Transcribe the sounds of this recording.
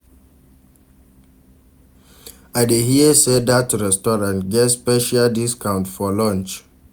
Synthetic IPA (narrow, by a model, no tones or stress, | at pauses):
aɪdeɦiəsedatːuɹɛstɔɹãntɡɛtspɛʃaldiskãʊ̃ntfɔlɔ̃nt͡ʃ